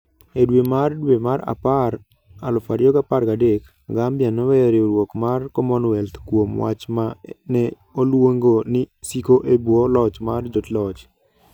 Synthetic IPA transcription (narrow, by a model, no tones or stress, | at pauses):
edwemardwemaɾa̰paɾ | a̰lɔfaɾjɔɡapaɾkadek | aɡambjanɔwɛjɔɾeoɾwokmarkɔmɔnwɛlt̪kwomwa̰t͡ʃmanɛ | olwoŋɡonɪsikoʔebwɔlɔt͡ʃmard͡ʒotlɔt͡ʃ